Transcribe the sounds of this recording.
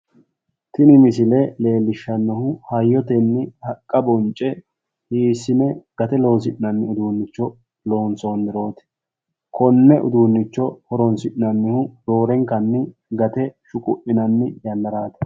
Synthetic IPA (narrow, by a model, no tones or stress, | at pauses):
t̪ɪnɪmɪsɪlɛle̞ːlːɪʃːɐnːɔhʊhɐjːɔt̪ɛnːɪhɐkʼːɐbɔnt͡ʃʼːɛ | hiːsɪnɛɡ̥ɐt̪ɛlo̞ːs̬ɪʔɪnɐnːɪʊd̪uːnːɪt͡ʃːɔ | lo̞ːnso̞ːnd̪ɪɾo̞ːt̪ɪ̥ | kɔnːɛʔʊ̰d̪uːnːɪt͡ʃːɔhɔɾɔnsɪʔɪnɐnːɪhʊd̪o̞ːɾɛŋkɐnːɪ | ɡɐt̪ɛʃʊkʼʊ̰ʔɪnɐnːɪjɐnd̪ɐɾaːt̪ɛ̥